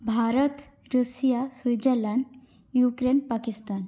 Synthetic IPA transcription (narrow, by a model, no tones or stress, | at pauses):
bʱaɾət̪ | ɾusijasʋijd͡ʑəlaɳɖ | jukɾenpakist̪an